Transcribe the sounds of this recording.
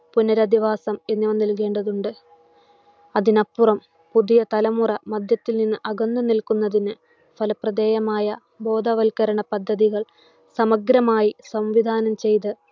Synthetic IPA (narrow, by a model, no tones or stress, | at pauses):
punɐɾɐd̪iʋaːsɐme̞nːiʋɐnːilk̬e̞ːɳɖɐðuɳɖɨ | ɐðinɐpːurɐm | puðijɐt̪ɐlɐmurɐmɐd̪ʱjɐt̪ːilninːɨʔɐɡɐnd̪ɐnilkunːɐðinɨ | fɐlɐprɐd̪eːjɐmaːjɐ | bo̞ːd̪ʱɐʋɐlkɐɾɐɳɐpɐd̪ʱːɐðiɣɐɭ | sɐmɐɡɾɐmaːjisɐmʋid̪ʱaːnɐmt͡ɕe̞jt̪ɨ